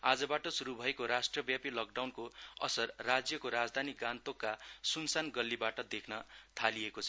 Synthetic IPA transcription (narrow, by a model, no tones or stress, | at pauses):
ad͡zʌbaʈʌsuɾubʱʌekoɾasʈrʌbjapilʌk̚ɖawnkoʌ̰sʌrːad͡zjʌkoɾad͡zd̪ʱaniɡant̪okːasunsanɡʌlːibaʈʌd̪ekʰnʌt̪ʰalijekot͡sʰʌ